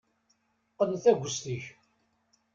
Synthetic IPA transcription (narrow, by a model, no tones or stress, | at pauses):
qənθæɡʷːʊst̪iç